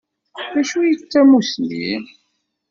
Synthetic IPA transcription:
ðæʃujət͡sːæmusnḭ

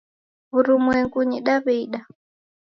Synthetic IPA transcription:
βuɾumwɛŋkuɲiɗaβɛiɗa

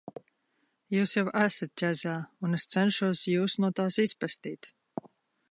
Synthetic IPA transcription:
juːsjawæsat̪̚cʲæzaːunest̪sɛnʃuɔsjuːsnuɔt̪aːsispɾast̪iːt̪

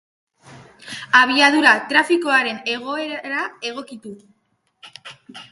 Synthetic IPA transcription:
aβ̞iaðuɾat̪ɾafiko̞aɾe̞ne̞ɣ̞o̞e̞ɾɾae̞ɣ̞o̞kit̪u

